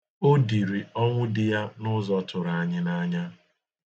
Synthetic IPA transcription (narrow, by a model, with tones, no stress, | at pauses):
o˦di˨ɾi˨ɔ˦ŋʷʊ˦dɪ˦ja˦nʊ˦zɔ˦tʰʊ˨ɾa˨ɲɪ˦na˦ɲa˦